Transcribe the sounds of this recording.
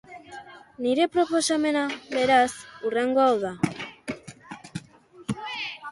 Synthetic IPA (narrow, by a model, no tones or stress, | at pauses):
niɾe̞pɾo̞po̞same̞naβe̞ɾasureŋɡo̞awða